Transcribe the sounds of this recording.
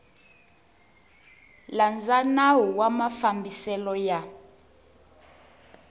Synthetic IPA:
land͡zanaɦuwamafambisɛlɔja

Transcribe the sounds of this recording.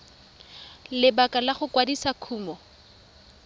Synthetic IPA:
lɪbakʼalaχʊkwadisakʰuːmɔ

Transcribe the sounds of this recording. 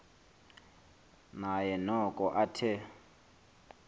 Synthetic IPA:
najɛnɔkʼɔʔatʰɪ

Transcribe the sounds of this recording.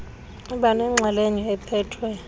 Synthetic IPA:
iɓanɛŋ͡ǁʱaleɲiɛpʰɛːtʰwɛ

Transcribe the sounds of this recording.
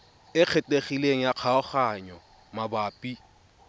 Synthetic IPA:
ɪq͡χʰɛtʼeχileŋ̩jaq͡χʰaɔχaɲɔ | mabaːpʼi

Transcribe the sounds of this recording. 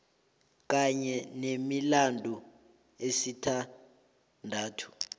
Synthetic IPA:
k̬aɲɛnemilandʱu | esitʰa | ndʱaːtʰu̥

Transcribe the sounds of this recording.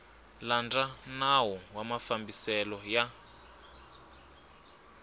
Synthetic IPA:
land͡zanawɔwamafambisɛlɔja

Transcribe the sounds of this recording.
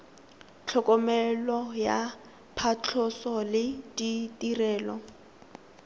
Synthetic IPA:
t͡ɬʰɔkʼɔmɛlɔja | pʰat͡ɬʰɔsɔlɪditʼirɛːlɔ

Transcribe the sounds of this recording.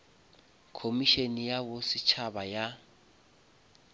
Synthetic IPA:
kʰomiʃenijabʊsɪt͡ʃʰabaja

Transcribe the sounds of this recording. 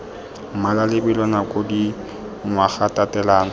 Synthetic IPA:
m̩malalɪbilɔnakʼodi | ŋwaχatʼatʼɛlaːna

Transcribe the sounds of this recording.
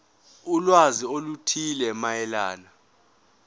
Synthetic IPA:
ulwaziolutʰilɛmajɛlaːna

